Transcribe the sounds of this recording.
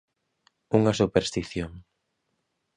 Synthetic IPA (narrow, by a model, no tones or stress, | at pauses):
uŋɐsupeɾst̪iθjoŋ